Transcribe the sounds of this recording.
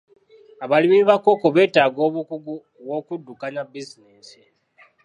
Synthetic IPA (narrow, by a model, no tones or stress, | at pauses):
aβalimiβako̞ko̞βe̞ːtaːɡo̞ːβukuɡu | βwo̞kudːukaɲabizineːsi